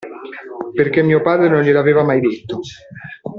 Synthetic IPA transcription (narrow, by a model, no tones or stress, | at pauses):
perk̟emːiːopaːd̪ɾenonʎɪlaveːvamajd̪et̪ːo